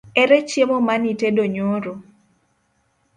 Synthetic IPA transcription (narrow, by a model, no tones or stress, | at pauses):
ɛɾɛt͡ʃjemomanitedoɲoɾo